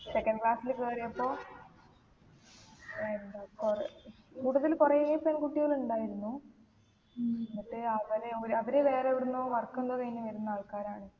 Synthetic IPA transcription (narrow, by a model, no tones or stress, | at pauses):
sekːɐnklɭaːsilkeːrijɐpːo̞ː | end̪akor | kuːʈːuðɐlkurɐjeipenkuʈːijoɭuɳɖaːjiɾunːu | nːiʈːɨɐʋɐðeoɾɐʋɐɾeʋe̞ːreoɾunːoːʋɐrkːend̪oːkɐjnːɐʋɐɾunːɐaːɭkaːɾaːɳɨ